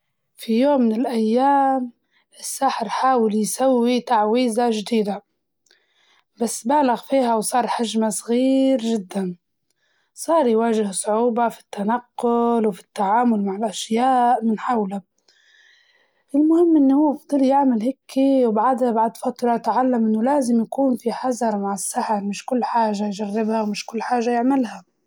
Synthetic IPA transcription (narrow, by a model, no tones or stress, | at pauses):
fijoːmːɪnɪlʔajːaːm | ʔɪsːaːħɪɾħaːwɪljsawːit̪aʕwiːzaʒd̪iːd̪a | basːbaːlaɣfiːɦawsˤɑːɾˤħaʒmasˤɣiːɾʒɪd̪ːan | sˤɑːɾˤjwaːʒɪhsˤʊʕuːbafi̥t̪ːanaqːʊlwfi̥t̪ːaʕaːmʊlmaʕɪlʔaʃjaːʔmɪnħawla | ʔɪlmʊhɪmːʔɪnːhʊwːfd̪ˤɨljɪʕmalɦekʰːiwbaʕad̪habaʕd̪fɑt̪ˤɾˤɑjat̪ʕalːamʔɪnːʊlaːzɪmjakuːnfiħɑzɑɾˤmaʕɪsːaħaɾmɪʃkʊlːħaːʒajʒarːɪbhawmɪʃkʊlːħaːʒajɪʕmɪlɦa